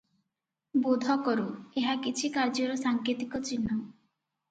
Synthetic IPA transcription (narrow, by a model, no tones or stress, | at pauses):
bod̪ʱɔkɔɾueɦakit͡ʃʰikaɾd͡ʒɔɾɔsaŋkɾit̪ikɔt͡ʃinːɔ